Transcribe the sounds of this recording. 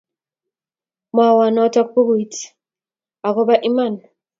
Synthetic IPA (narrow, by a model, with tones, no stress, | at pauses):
mɔ˨wa˨nɔ˦tɔ˦k̚pu˦ɡu˨i˨t | a˨kɔ˦ba˦ʔi˦ma˦˨n